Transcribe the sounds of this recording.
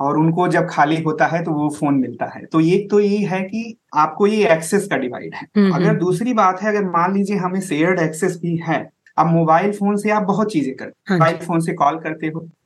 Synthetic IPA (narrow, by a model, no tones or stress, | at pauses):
ɔːɾʊnkod͡ʒɐb̚kʰaːliɦoːt̪aɦɛt̪oʋofoːnmɪlt̪aɦɛ̰ːt̪oeːk̚t̪ojeɦɛki | aːp̚kojeɛːksɛskaɖɪʋa̰ːɪɖɦɛːɐɡəɾd̪uːsɾibaːt̪ɦɛɐɡəɾmãːnliːd͡ʒieɦɐmẽseːɾɖɛːksɛsbʱiɦɛː | ɐbmoːbaːɪlfoːnseaːp̚bɐɦʊt̪̚t͡ʃiːzẽkɐɾt̪ːbaːɪlfoːnsekɔːlkɐɾt̪eɦoː